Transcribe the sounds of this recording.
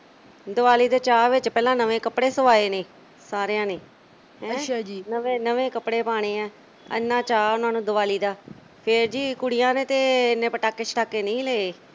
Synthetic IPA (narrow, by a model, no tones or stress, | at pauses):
d̪ʊʋaːliːd̪eːt͡ʃaːʋɪt͡ʃpɛːlãːnəʋẽːkəpɽeːsəʋaːeːneː | saːɾejãːneː | ɦɛ̃ːd͡ʒinəʋẽːnəʋẽːkəpɽeːpaːɽ̃ẽːɛː | ə̰nːãːt͡ʃaːʊnaːnũːd̪ʊʋaːliːd̪aː | pʰɪɾd͡ʒiːkʊɽɪjãːnẽːt̪eːnːẽːpəʈaːkeːt͡ʃʰə̥ʈʰaːkːeːnəĩːleːeː